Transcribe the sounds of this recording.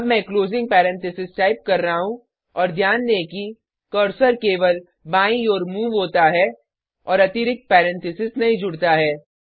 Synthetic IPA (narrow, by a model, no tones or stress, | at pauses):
ɐbmɛ̃kloːzɪ̃ŋɡ̚pɛːɾɛ̃nt̪ɪsɪsʈaːɪp̚kɐɾːɐɦaɦũ | ɔːɾd̪ʱjaːnd̪eki | kɔɾsəɾkeːʋəl | bãːĩɔːɾmuːʋɦoːt̪aɦɛ | ɔːɾɐt̪ɪɾɪk̚t̪̚pɛːɾɛ̃nt̪ɪsɪsnɐɦĩd͡ʒʊɽt̪aɦɛː